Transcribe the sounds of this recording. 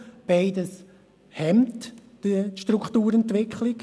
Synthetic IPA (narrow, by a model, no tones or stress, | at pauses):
b̥aɪdəs | hɛmtd̥əʃtrukχtuːɾɛntvɪkʰχlɪk